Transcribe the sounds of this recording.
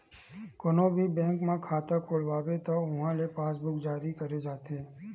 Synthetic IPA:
kɔnobʱibɛ̃ŋkmãkʰaːt̪əkʰoɭʋaʋet̪oʊ̃ɦãlepaːsbʊkd͡ʒaːɾikəɾed͡ʒaːt̪ʰe

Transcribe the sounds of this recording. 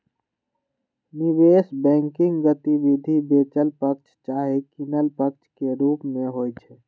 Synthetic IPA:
niʋeːsbɛ̃ːŋkɪ̃ŋɡɡət̪iʋid̪ʱibeːt͡ʃəlpək̚t͡ʃʰt͡ʃaːɦikinəlpək̚t͡ʃʰkeɾuːpmẽɦoːjt͡ʃʰɛ

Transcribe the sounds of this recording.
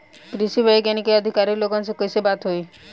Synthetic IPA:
kɾisibəjɡenikeəd̪ʱikaɾiloɡɔnsekojsebat̪ɦoi

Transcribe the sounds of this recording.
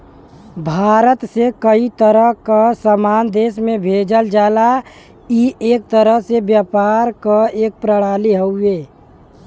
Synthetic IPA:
bʱaːɾət̪sekəit̪əɾəɦkasəmaːnd̪eːsmẽbʱeːd͡ʒəld͡ʒaːla | ieːk̚t̪əɾəɦsebjapaːɾkaeːk̚pɾəɽ̃aːliɦəueː

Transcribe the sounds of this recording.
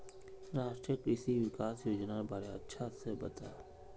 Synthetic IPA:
ɾaːʃʈɾijəkɾɪsiʋɪkaːsjoːd͡ʒnabaːɾeɐ̰tːʃʰasebɐt̪a̰ː

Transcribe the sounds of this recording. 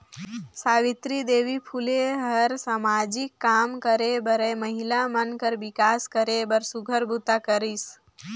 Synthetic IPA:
saːʋɪt̪ɾid̪eːʋipʰuleɦəɾsamad͡ʒɪkːaːmkəɾebəɾeməɦilamənkəɾbɪkaːskəɾebəɾsuɡʱəɾbʱut̪akəɾis

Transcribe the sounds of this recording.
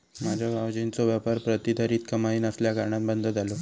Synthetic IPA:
mad͡ʑʱabʱaʋd͡ʑint͡soʋapəɾpɾət̪id̪ʱəɾiːt̪kəmaiːnəsljakaɾɳat̪̚bənd̪ʱəd͡z̪alo

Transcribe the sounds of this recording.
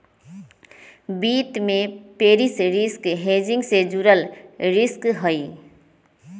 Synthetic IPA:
bit̪mepeːɾisɾɪskɦed͡ʒɪ̃ŋɡsed͡ʒuɾəlɾɪskɦəi

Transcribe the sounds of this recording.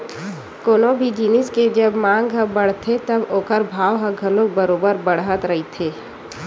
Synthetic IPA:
koːnobʱid͡ʒiːnɪsked͡ʒɐbmãːŋɡɦəbɐɽ̤t̪ʰet̪ɐboːkəɾbʱaːʋɦəɡʱɐlõk̚bəɾoːbəɾbɐɽ̤ɦət̪ɾɐɦit̪ʰeː

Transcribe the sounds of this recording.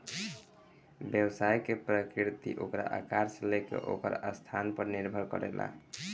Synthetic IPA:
bjəbsajkepɾəkɾit̪ḭʔokɾa̰ʔakaɾslekḛʔokə̰ɾəst̪ʰanpəɾniɾbʱəɾkʌ̰ɾela̰

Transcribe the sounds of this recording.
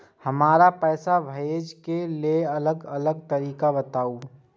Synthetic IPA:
hɐmaːɾapɛːsabʱeːd͡ʒkeleɐləɡɐləɡ̚t̪ɐɾiːkabət̪aːu

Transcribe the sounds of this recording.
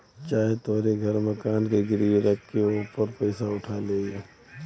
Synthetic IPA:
t͡ʃaːɦet̪oːɾeɡʱɐɾmɐkaːnkeɡɪɾijeɾɐkʰkeoːpəɾpəɪsaʊʈʰaleːieː

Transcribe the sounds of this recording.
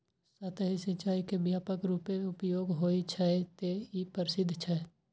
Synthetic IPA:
sət̪ʰɦisət͡ʃaːikebjaːpəkɾuːpeeʊpjoːɡɦoːit͡ʃʰɛet̪eipəɾɪsɪd̪ʱːt͡ʃʰɛ

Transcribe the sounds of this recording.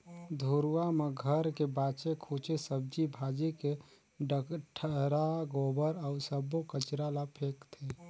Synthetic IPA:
d̪ʱoɾwameɡʱəɾkebaːt͡ʃekʰoːt͡ʃesəb̚d͡ʒibʱaːd͡ʒeke | ɖəkʈʰəɾaɡobəɾəʊsəbokət͡ʃɾalapʰeːkt̪ʰe

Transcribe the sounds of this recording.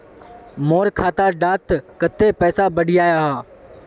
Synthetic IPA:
moːɾkʰaːt̪aɖaːt̪kət̪ːepɛːsabəɽʱijaːjaɦaː

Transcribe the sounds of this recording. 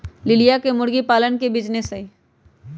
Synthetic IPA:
lɪlijakemʊɽɡipaːlənkebid͡ʒnese

